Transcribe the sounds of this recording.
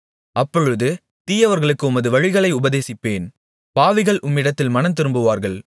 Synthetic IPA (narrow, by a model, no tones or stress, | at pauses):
ɐpːɔɻɯðɯ | t̪iːjɐʋɐɾɣɐɭɯkːɯʊmɐðɯʋɐɻɪɣɐɭɐɪʊbɐðeːsɪpːeːn | paːʋɪɣɐɭʔʊmːɪɽɐt̪ːɪlmɐnɐnt̪ɪɾɯmbɯʋaːɾɣɐɭ